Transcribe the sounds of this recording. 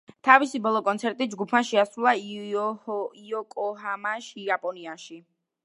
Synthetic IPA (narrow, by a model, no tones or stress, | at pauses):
t̪ʰavisibɔlˠɔkʼɔnt̪sʰɛɾt̪ʼid͡ʒɡupʰmaʃɛasɾulˠa | iɔkʼɔɦamaʃiapʼɔniaʃi